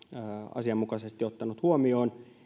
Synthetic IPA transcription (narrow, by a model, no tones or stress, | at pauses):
ɑ̰siɑmːukɑsest̪io̞t̪ːɑnut̪huomio̞ːn